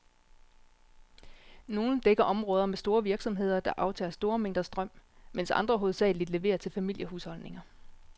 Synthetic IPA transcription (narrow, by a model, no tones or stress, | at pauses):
no̝ːn̩d̥eɡ̥ɐʔɒ̽mʁɔ̽ːðˠɐmesd̥o̝ːɐʋiɐɡ̥sɒ̽mɦe̝ð̞̰ˠɐd̥ɑ̈ʔɑ̈ʊt͡sʰɛ̰ːɐsd̥o̝ːɐmeŋ̰d̥ɐsd̥ʁɶm̰men̰sɑ̈nd̥ʁɐɦoð̩ˠsɛ̰ɪlid̥le̝ʋe̝̰ːɐt͡sʰe̝lfæmil̰jəhuːshɒ̽lne̝ŋɐ